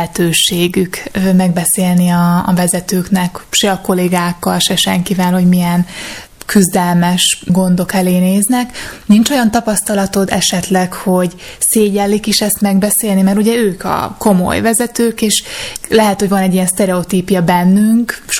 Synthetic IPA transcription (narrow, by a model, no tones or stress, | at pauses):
ɛt̪øːʃeːɡykmɛɡ̚bɛseːlniɒːvɛzɛt̪øːknɛkʃɛɒko̞leːɡaːkːɒlʃɛʃɛŋkivɛlho̞ɟmijɛn | kyzd̪ɛlmɛʃɡo̞nd̪o̞kɛleːneːznɛknint͡ʃo̞jɒnt̪ɒpɒst̪ɒlɒt̪o̞d̪ɛ̰ʃɛt̪lɛkho̞ɟseːɟɛlːikeʃɛst̪mɛɡbɛseːlnimɛɾuɟɛøːkʰɒ̰ko̞mo̞̰jvɛzɛt̪øːkeːʃlɛɦɛt̪hoɟvɒnɛɟːijɛnst̪ɛɾɛot̪iːpjɒbɛnːyŋkʃ